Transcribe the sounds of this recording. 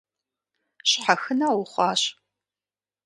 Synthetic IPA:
ɕħaxɨnawʊχʷɑːɕ

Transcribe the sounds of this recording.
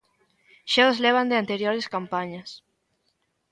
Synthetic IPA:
ʃezleβ̞and̪ɪant̪eɾjoɾeskampaɲɐs

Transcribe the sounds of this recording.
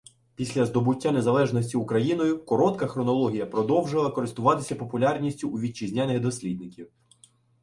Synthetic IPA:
pʲisʲlʲɐzd̪ɔbʊtʲːane̞zɐlˠɛʒnɔsʲtʲiʊkɾɐjinɔjʊkɔɾɔt̪kɐxɾɔnɔlˠɔɦʲijɐpɾɔd̪ɔwʒɪlˠɐkɔɾɪst̪ʊʋɑt̪ɪsʲɐpɔpʊlʲarnʲisʲtʲʊʔːʋʲid̚t͡ʃizʲnʲanɪɣd̪ɔsʲlʲid̪nɪkʲiw

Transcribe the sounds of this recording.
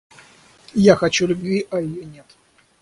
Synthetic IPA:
jaxɐt͡ɕulʲʊbʲvʲiɐɪjonʲet̪

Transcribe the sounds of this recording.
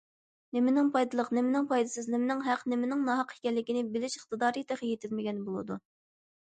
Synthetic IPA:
nemɪnɪŋpʰɑjd̪ɨlˠəqnɪmɪnɪŋpɑjd̪ɨsɨznɪmɪnɪŋɦæqnɪmɪnɪŋnɑɦɑqʰi̥kʲɛlːɪkʲinɪbɪlɪʃəχt̪ɨd̪ɑːɾɨt̪ʰɛχijet̪ʰɪlmɪɡʲɛnbolˠɨ̰d̪u

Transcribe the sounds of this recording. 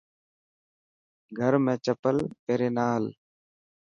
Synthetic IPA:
ɡʱəɾmẽːt͡ʃəpəleːɾeːnaːl

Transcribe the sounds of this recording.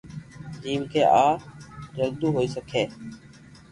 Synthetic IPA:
d͡ʒiːmkʰeːʔaːɾəld̪uːɦoːiːsəkʰeː

